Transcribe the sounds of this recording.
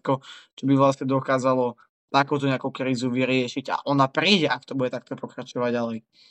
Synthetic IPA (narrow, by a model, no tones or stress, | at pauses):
kɔt͡ʃɔbiʋlasɲɛd̪ɔkaːzalɔ | t̪akuːt̪ɔɲɪakukɾiːzuʋiɾɪɛʃiɟa̰ʔɔnapɾiːɟɛʔakt̪ɔbuɟɛt̪ak̚t̪ɔpɔkɾat͡ʃɔʋaɟːalɛj